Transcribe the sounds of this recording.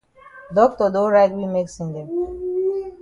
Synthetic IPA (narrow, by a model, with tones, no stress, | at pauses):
dɔ˦k̚tɔ˨do˦ɾa˦ɪtwi˦me˦ksĩ˨nde˨